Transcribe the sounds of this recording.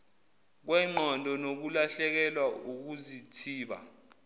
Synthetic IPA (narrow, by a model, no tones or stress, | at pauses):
k̬wɛŋ͡ǃʱɔntʼɔnok̬ulaɬɛk̬ɛlwauk̬uzitʰiːɓa̰